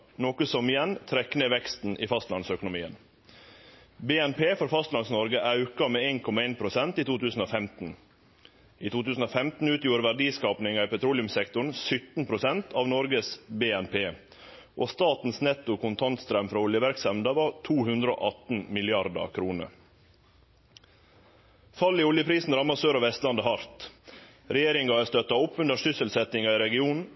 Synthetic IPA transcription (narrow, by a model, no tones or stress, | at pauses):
noːkəsɔmɪjɛnt̪ʰɾɛknəʋɛkst̪n̩ʔiːfɑst̪lɑnsœkʊnʊmiːə̰n | beːɛnpʰeːfɔɾfɑst̪lɑnsnɔɾɡəʔɑʉkɑmeːeːnkʰɔmɑeːnpʰɾʊsɛnt̪iːt̪ʰuːt̪ʉːsn̩ofɛmt̪n̩ | iːt̪ʰuːt̪ʉːsn̩oːfɛmt̪n̩ʉːt̪juːɾʋæɖiːskɑːpnɪŋɑɪpɛt̪ʰɾuːlɪʉmsɛkt̪ʊɳ̩sʏt̪n̩pʰɾʊsɛnt̪ʰɑʋnɔɾɡəsbeːɛnpʰeː | ʔoːst̪ɑːt̪n̩snɛt̪ːʊkʰʊnt̪ʰɑnt̪st̪ɾœmfɾɑːʊljəʋæɾksɑmd̪ɑʋɑt̪ʰuːhʉnd̪ɾəo̰ːʔɑt̪n̩mɪlɪɑɾd̪ɑ̰kʰɾuːnə̰ | fɑlːiːʊljəpʰɾiːsn̩ɾɑmɑsøːɾɑʋɛst̪lɑnd̪əhɑɾt̪ | ɾɛjeːɾɪŋɑst̪œt̪ɑʊpːʉnd̪əʂʏsəlsɛt̪ɪŋɑiːɾɛɡɪuːnn̩